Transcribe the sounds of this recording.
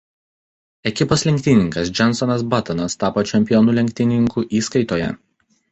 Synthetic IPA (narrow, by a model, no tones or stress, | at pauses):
ɛkʲɪpoːslʲɛŋʲkʲt̪ʲɪnʲɪŋkɐs̬d͡ʒʲɛnsɔnɐsbɐt̪ɐnɐst̪ɑːpot͡ʃʲɛmʲpʲɪjɔnulʲɛŋʲk̚ʲt̪ʲɪnʲɪŋkuːʔiːskɐɪt̪oːjɛ̰